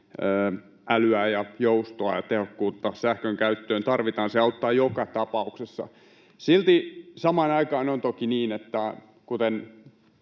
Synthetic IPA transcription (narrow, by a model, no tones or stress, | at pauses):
øː | ʔælyæːjɑjoust̪oɑjɑt̪ehokːuːt̪ːɑsæhkøŋkæyt̪ːøːnt̪ɑrʋit̪ɑːnseɑut̪ːɑːjokɑt̪ɑpɑuksesːɑ̰ | silt̪isɑmɑːnɑikɑːnont̪okiniːnet̪ːæ | kut̪en